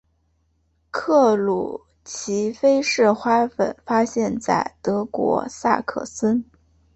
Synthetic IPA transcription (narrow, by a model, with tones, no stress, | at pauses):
kʰɤ˥˩lṵ˨˩ | t͡ɕʰi˧˥fe˥ɪʂɻ̩˥˩xwa˥fə̰˨˩nfa˥ɕjɛ˥˧nt͡sa̰˥˩ɪt̪ɤ˧˥kwɔ̰˧˥sa̰˥˧kʰɤ̰˥˩sə˥n